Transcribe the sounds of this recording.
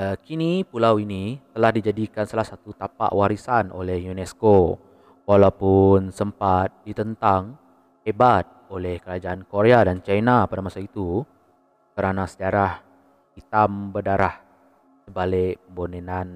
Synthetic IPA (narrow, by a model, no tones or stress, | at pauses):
əkinipulawinit̪əlahdid͡ʒadikansalahsat̪ut̪apa̰ʔwaɾisanʔo̰lɛhjunɛsko | walawpʊnsəmpat̪̚dit̪ənt̪aŋ | hebat̪̚olɛhkəɾad͡ʒaankoɾeadant͡ʃajnapadamasait̪u | kəɾanasəd͡ʒaɾah | hit̪ambərdaɾah | səbalɪkpəmbonenan